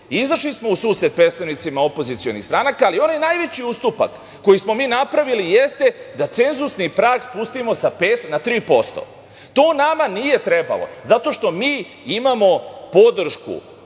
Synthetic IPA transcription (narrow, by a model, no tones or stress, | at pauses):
izaʃlismo̞usuːse̞d̪̚pɾet̪st̪aʋnit̪simaopo̞zit̪sio̞̰nist̪ɾanakaːlio̞najnaːjʋe̞t͡ɕiust̪upa̰kː | o̞jismo̞miːnapɾaʋilijest̪e̞d̪at̪se̞nzusnipɾaːkspust̪imosape̞ːt̪nat̪ɾiːpo̞st̪o̰ | t̪o̞ːnamanije̞t̪ɾe̞ba̰lo̞̰zat̪o̞ʃt̪o̞miː | imamo̞po̞d̪r̩ʃkṵ